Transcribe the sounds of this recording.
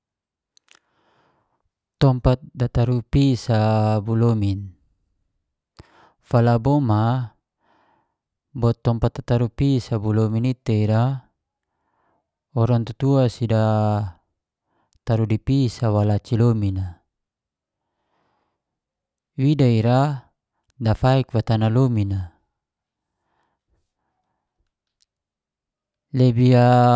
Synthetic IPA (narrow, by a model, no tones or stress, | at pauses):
t̪ɔmpat̪̚dat̪aɾupisabulomin | falabɔma | bɔt̪ːɔmpat̪̚dat̪aɾupisabulominit̪eiɾa | ɔɾaŋt̪ut̪uasida | t̪aɾudipisawalat͡ʃilomina | widaiɾa | dafaikwat̪analomina | lebia